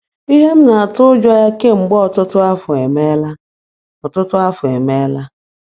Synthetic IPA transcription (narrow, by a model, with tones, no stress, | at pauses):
i˦ɦe˦m̩˦na˨a˨tʊ˦d͡ʒɔ˦ja˦ke˦ŋ͡m̩˨ɡ͡bɔ˦ɔ˨tʊ˦tʊ˦a˦fʊ˨e˨me˦la˦ | ɔ˨tʊ˦tʊ˦a˦fʊ˨e˨me˦la˦